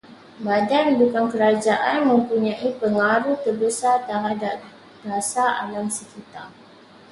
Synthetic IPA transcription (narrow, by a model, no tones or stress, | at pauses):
badanbukaŋkəɾad͡ʒaʔanmə̃mpuɲãʔipəŋaɾuht̪ərbəsart̪əɦadaʔ | dasaa̰laŋsəkit̪ar